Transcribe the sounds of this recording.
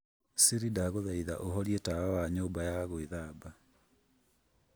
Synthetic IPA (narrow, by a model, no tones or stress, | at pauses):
siɾidaɣoðaiða̰ʔoɦɔɾjetawawaɲoːmbajaɣoeðaːba